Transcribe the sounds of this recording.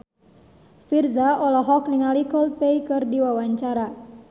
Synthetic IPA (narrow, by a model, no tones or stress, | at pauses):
firzaʔɔlɔɦɔkniŋalikɔlp̪eikɨrdiwawaɲt͡ʃaɾa